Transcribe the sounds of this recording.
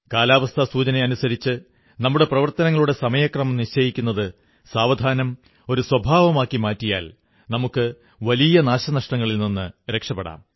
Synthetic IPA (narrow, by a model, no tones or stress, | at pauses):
kaːlaːʋɐst̪ʰɐsuːt͡ɕɐneɐnusɐɾit͡ɕːɨ | nɐmːuɽe̞prɐʋɐrt̪ɐnɐŋːɐɭuɽe̞sɐmɐjɐkrɐmɐmniɕt͡ɕɐjikʲːunːɐðɨ | saːʋɐd̪ʱaːnɐm | o̞ɾuswɐbʱaːʋɐmaːkːimaːtːija̰ːl | nɐmukːɨ | ʋɐlijɐnaːɕɐnɐʂʈɐŋːɐɭilninːɨɾe̞kʂɐpːeɽa̰ːm